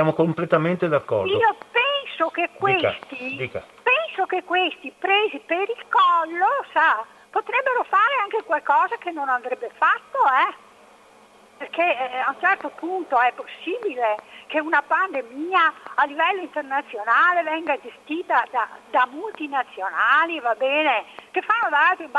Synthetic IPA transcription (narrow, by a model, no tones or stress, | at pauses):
sjaːmokomplet̪ament̪ed̪akːɔ̰riːopɛnsok̟ekːwest̪id̪iːkapɛnsokekːwest̪ipɾeːzipeɾilkɔlːosa | pot̪ɾɛbːeɾofaːɾeaŋkekwalkɔːzakenːonand̪ɾɛbːefat̪ːoɛ | perkeaunt͡ʃɛrt̪opunt̪oɛpːosːiːbilekeunapand̪emiːaalːivɛlːoint̪ernat̪sːjonaːlevɛŋɡad͡ʒest̪iːt̪ad̪a̰d̪amult̪inat̪sːjonaːlivabːɛːnek̟efːanːod̪aalt̪ɾib